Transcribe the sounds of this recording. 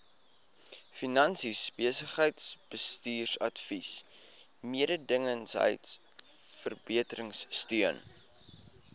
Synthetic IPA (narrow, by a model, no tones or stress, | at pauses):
finɐnsisb̥iəsəχɦəjtsb̥əstyːrsɐtfis | miəɾədəŋənsɦə̰jts | fərbiətəɾəŋsːtyən